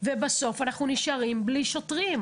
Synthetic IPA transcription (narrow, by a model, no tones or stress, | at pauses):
vebaso̞fanaχnuniʃaʁimbliʃo̞tʁim